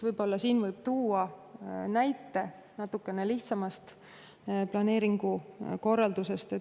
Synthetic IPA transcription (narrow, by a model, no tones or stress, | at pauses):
vɤjbo̞lːɑsiːnvɯjb̥̚t̪uːɑnæjt̪ːˑe̞ | nɑt̪ːˑukːˑe̞neliht̪sɑmɑst̪ | plɑne̞ːɾiŋɡ̥uko̞rːɑld̪̥use̞st̪e